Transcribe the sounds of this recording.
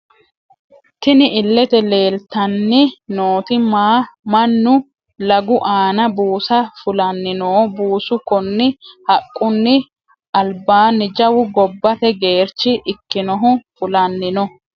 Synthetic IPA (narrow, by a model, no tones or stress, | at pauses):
t̪ɪnɪɪlːɛt̪ɛle̞ːlt̪ɐnːɪnoːt̪ɪmaːmɐnːʊ | lɐɡʊʔaːnɐbuːsɐfʊlɐnːɪnoːbuːsʊkːɔnːɪhɐkʼːʊnːɪ | ɐlbaːnːɪd͡ʒɐwʊɡɔbːɐt̪ɛɡe̞ːɾt͡ʃːɪʔɪkːɪnɔɦʊfʊlɐnːɪnɔ